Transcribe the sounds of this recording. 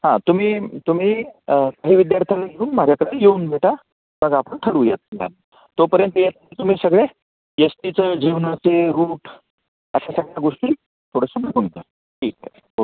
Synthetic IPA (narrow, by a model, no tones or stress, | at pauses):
hãt̪um̤iːt̪um̤iːkaɦiːʋid̪jaɾt̪ʰjalaɡeuːnmad͡ʑʱjakəɽejeuːnbʱeʈa | məɡapəɳʈʰəɽuːjat̪̚ma̰l | t̪opəɾjənt̪əjet̪t̪um̤iːsəɡɭe | jəst̪it͡səd͡ʑiʋnat͡seɾuːʈ | əɕasəɡɭjaɡoʂʈiː | t̪ʰoɽ̤əsəbʱəɡund̪ə | ʈʰiːk | o